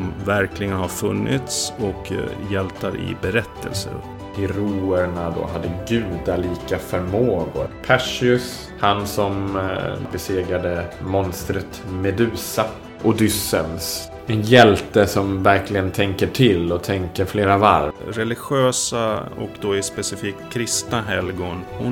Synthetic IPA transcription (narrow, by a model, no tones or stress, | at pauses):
mvæɾklɪɡənhaɾfɵnːɪ̰t̪sɔkjɛlt̪aɾɪ̰bɛɾɛt̪ːə̰lsə̰ɾ | hɪɾuːəɳad̪o̰ːɦad̪ːəɡʉ̟ːd̪aliːkafœɾmoːɡʊ̰ɾpʰæʂɪɵs | hansɔm | bɛseːɡɾad̪əmɔnst̪ɾət̪mɛd̪ʉ̟ːsa | ʔʊd̪ʏsə̰ls | ɛnjɛlt̪əsɔmvæɾklɪɡənt̪ʰɛŋkəʈʰɪlːɔt̪ʰɛŋkəɾfleːɾava̰ɾɾɛlɪɧɪøːsaɔ̰kd̪oɪspɛsɪfiːkkʰːɾɪst̪naɦɛlɡʊnhʊ